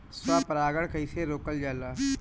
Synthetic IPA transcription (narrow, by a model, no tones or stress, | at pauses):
saːpəɾaːɡəɽkəiseːɾoːkəld͡ʒaːlaː